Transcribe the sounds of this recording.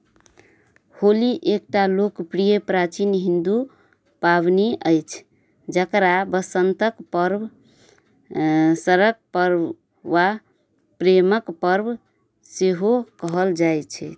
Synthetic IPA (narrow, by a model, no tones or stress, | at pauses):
holiʔek̚ʈalokpɾijəpɾat͡ʃinɦĩnd̪u | paβniəjt͡ʃʰ | d͡ʒəkɾabəsənt̪əkpəɾb | səɾək̚pəɾ | ʋa | pɾeməkpəɾb | seɦokəɦəld͡ʒajt͡ʃʰɛt̪ʰ